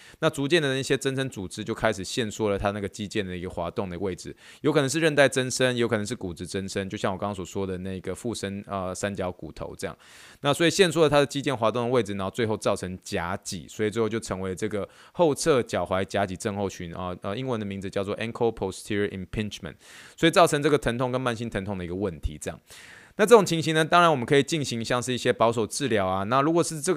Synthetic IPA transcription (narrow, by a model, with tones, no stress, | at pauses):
na˥˨t͡su˧˥t͡ɕjɛ˥˩nd̪ə˩na˥˩ɕjɛ˥t͡sə˥nʂə˥nt͡su˨˩ʈ͡ʂɻ̩˥t͡ɕjo˥˧ʊkʰa˥ɪʂɻ̩˨˩ɕjɛ˥˩nswɔ˥˩lə˨˩t̪ʰa˥˧na˥˩ɡə˩t͡ɕi˦˥t͡ɕjɛ˥˩nd̪ə˩i˧˥ɡə˨xwa˧˥t̪ʊ˥˨˩ŋd̪ə˩we˥˩ɪd͡zɻ̩˨˩ | jo˧˥ʊkʰɤ˨˩nə˧˦ŋʂ̬ɻ̩˥˧ɻə˥˧nt̪a˥˩ɪʈ͡ʂə˦˥nʂə˦˥njo˧˥ʊkʰɤ˨˩nə˧ŋʂɻ̩˥˩ku˨˩t͡sɻ̩˧˥ʈ͡ʂə˦nʂə˥nt͡ɕjo˥˧ʊɕjɑ˥˩ŋwkɑ˥ŋʰɑ˥ŋswɔ˨˩ʂwɔ˥d̪ə˨na˥˩ɪi˦ɡə˩fu˥˩ʂə˥nə˨˩sa˥nt͡ɕjɑ˧˥ʊku˨˩t̪ʰo̰˧˥ʊʈ͡ʂɤ˥˧jɑ̰˥˨˩ŋ | na˥˨swɔ˧˥i˨˩ɕjɛ˥˧ns̬wɔ˥lə˨t̪ʰa˥d̪ə˨t͡ɕi˥t͡ɕjɛ˥˩nxwa˧˥t̪ʊ˥˩ŋd̪ə˧we˥˩ɪɻ̩˨˩na˧˥ŋxo˥˧t͡swe˥˧ɪxo˥˧ʊt͡sɑ˥˩ʊʈ͡ʂʰə˧˥ŋt͡ɕja˧˥t͡ɕḭ˨˩swt͡swe˥˧˥t͡ɕjo˥˩ʊʈ͡ʂʰə˧˥ŋwe˧˥lə˧ʈ͡ʂɤ˥˩ɡə˩ | xo˥˧ʊt͡sʰɤ˥˩t͡ɕjɑ˨˩ʊxwa˧˥ɪt͡ɕja˧˥t͡ɕi˨˩ʈ͡ʂə˥˧ŋxo˥˩ʊt͡ɕʰy˧˥nə˧ə˧i˦ŋwə˧˦nd̪ə˨mi˧˥ŋd͡zɹ̩˧t͡ɕjʊt͡sɔ˥˩ʔɛ˦ŋkʰo˥pʰo˨˧ʊstʰi˥ɹʔḭ˨npʰi˦nt͡ʃmə̰˨nswi˨˩t͡sɑ˥˩ʊʈ͡ʂʰə˧˥ŋt͡sɤ˥˩ɡə˩t̪ʰə˧˥nt̪ʰʊ˥˧ŋkə˥˦nma˥˧nɕi˥nt̪ʰə˧˥nt̪ʰʊ˥˩ŋd̪ə˩i˧˦ɡə˧wə˥˨˩nt̪ʰḭ˨˦ʈ͡ʂɤ˥˧jɑ̰˥˩ŋ | na˥˧ʈ͡ʂɤ˥˩ʈ͡ʂʊ˨ŋt͡ɕʰi˧˥ŋɕi˧˥nə˧t̪ɑ˥ŋɻa˧nwmə˦ŋkʰɤ˧i˨˩t͡ɕi˥˩ŋɕi˧˥ŋi˧˥ɕjɑ˥˧ŋʂɻ̩˥˩i˥˩ɕjɛ˥pɑ˧˥ʊʂo˨˩ʊt͡sɹ̩˥˩ljɑ˨˧˥ʊa˧na˥˩ɻu˧˥kwɔ˨˩ʂɻ̩˥˧ʈ͡ʂə˥˩ɡ